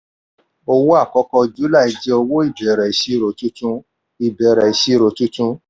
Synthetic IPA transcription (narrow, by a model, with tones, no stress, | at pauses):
o˧wo˦a˦˨kɔ˦kɔ˧d͡ʒu˨˦la˦˨i˨˧d͡ʒɛ˦o˧wo˦i˦˨bɛ˨ɾɛ˨i˨ʃi˦ɾo˨˦tu˦tũ˦ | i˨bɛ˨˦ɾɛ˨i˨˦ʃi˦˨ɾo˨tũ˦tũ˦